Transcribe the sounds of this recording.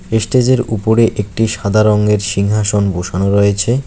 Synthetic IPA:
esʈed͡ʑeɾupoɾeʔek̚ʈiʃad̪ʱaɾɔŋɡeɾʃiŋɦaʃonboʃanoɾɔjet͡ɕʰe

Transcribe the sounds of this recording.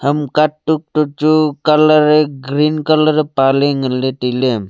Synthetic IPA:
həmkaʈːuk̚ʈut͡ʃukələɾeɡɾinkələɾepaleŋəlːet̪ilem

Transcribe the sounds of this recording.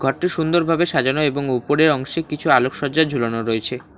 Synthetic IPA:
ɡʱɔɾʈːiʃund̪oɾbʱabeʃad͡ʑanoeboŋupoɾeɾɔŋʃekit͡ɕʰualokʃɔd͡ʑad͡ʑʱulonoɾoet͡ɕʰe

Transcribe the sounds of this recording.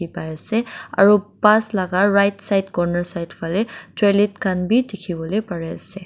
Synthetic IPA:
ipajasɛa̰ɹupaslaɡaɹɹajtsajdkɔɹnaɹsajdpʰalɛtɹelitkʰanbʱidekʰibɔlojpaɹɛasɛ

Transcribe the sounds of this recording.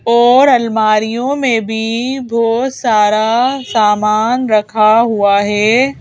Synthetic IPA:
ɔːɾɐlmaːɾijõmẽbʱibʱoːsaːɾasaːmaːnɾɐkʰaɦuaɦɛː

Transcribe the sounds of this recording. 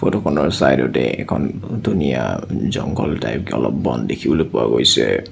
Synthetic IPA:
pʰotokʰɔnɔɹsajdɔtɛɛkʰɔndunijazɔŋɡɔltajpkɔlɔp̚ːɔndekʰibɔlojpʊaɡojsɛ

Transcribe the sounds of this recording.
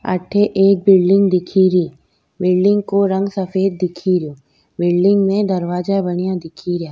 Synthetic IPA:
ɐ̰ʈʰːeʔeːk̚bɪlɖɪ̃ŋɡd̪ɪkʰiɾiː | bɪlɖɪ̃ŋɡkoɾɐ̃ŋɡsɐfeːd̪̚ːɪkʰiɾoː | bɪlɖɪ̃ŋɡmẽd̪ɐɾʋaːd͡ʒabɐɽ̃ijãd̪ɪkʰiɾɪjaː

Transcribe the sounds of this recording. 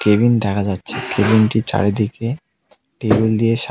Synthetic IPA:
kebind̪ɛkʰad͡ʑatːɕʰekebinʈit͡ɕa̰ɽed̪ike | ʈebuld̪ijeʃ

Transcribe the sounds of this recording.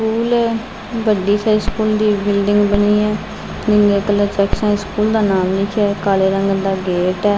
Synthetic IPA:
skuːlɛː | ʋəɖiːsaːiskuːld̪iːbɪlɖɪŋɡbəniːɛː | nɪ̃nɡeːkələt͡ʃɛːksãːiskuːld̪aːnaːmlikʰɛːkaːleːɾəŋɡd̪aːɡeːʈɛː

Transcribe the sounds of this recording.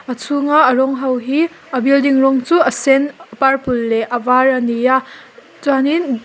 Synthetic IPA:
ɐt͡sʰuŋaɐɾɔŋɦawɦi | ɐbildiŋɾɔŋt͡suɐsenɐpaɾpʰulːeʔɐbaɾɐnija | zuanin

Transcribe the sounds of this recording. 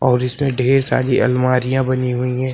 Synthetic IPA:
ɔːɾɪsmẽɖʱeːɾsa̰ːɽiʔɐlmaːɾijãbɐniɦuiɦɛ̃ː

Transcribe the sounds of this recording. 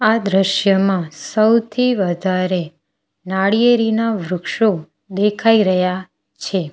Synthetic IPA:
ad̪ɾəʃjəmãsəwt̪ʰiʋəd̪ʱaɾe | naɽijeɾinaʋɾʊkʃo | d̪ekʰaiɾəɦja | t͡ʃʰe

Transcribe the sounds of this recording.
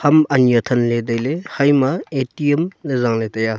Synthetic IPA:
hɐmɐnjɐtʰɐnledɐjlehɐjmɐetiemlezaŋletɐja

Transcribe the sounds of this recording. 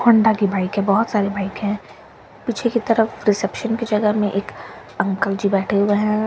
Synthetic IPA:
hʊ̃ɳɖakibaːɪkɦɛ̃bɔɦʊt̪saːɾebaːɪkɦɛ̃ | piːt͡ʃʰekit̪ɐɾəfɾɪsɛpʃənkid͡ʒɐɡəɦmẽʔeːkɐ̃ŋkəld͡ʒibɛːʈʰeɦʊeɦɛ̃

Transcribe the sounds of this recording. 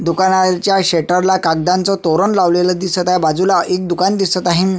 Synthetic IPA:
d̪ukanat͡ɕjaɕeʈəɾlakak̚d̪ãnt͡sɔt̪oɾəɳlaʋleləd̪isət̪aibad͡zulaʔek̚d̪ukand̪isət̪aɦĩn

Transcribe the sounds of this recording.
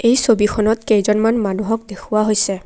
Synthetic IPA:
ejsobixʰɔnɔtkejzɔnmanmanuɦɔk̚d̪ekʰʊwaɦojsɛ

